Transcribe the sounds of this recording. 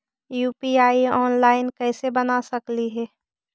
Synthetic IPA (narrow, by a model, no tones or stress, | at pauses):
juːpiaːiɔːnlaːɪnkɛːsebɐnasɐkliɦɛː